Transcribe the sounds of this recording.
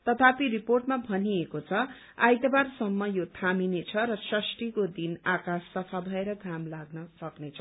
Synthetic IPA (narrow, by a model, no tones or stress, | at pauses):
t̪ʌt̪ʰapiriporʈmabʱʌniekot͡sʰʌ | ajt̪ʌbarsʌmːʌjot̪ʰaminet͡sʰʌɾʌsʌsʈikod̪inakasːʌpʰabʱʌeɾʌɡʱamlaɡnʌsʌknet͡sʰʌ